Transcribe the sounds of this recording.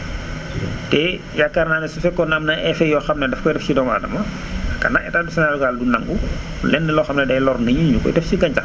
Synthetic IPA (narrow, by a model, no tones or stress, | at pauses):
tɛ | jakːarnaːnɐsufɛkːɔnɐmnɐʔɛfɛjɔːxɐmnɐdɛfkɔjdɛfsidɔma̰dɐmɐ | kɐ̰naʔɛ̰taːdusɛnalɡaːldunɐŋɡu | lɛnːɐlɔxɐmnɐdɐjlɔrnɐɲuɲukɔ̰jdɛfsiɡɐɲca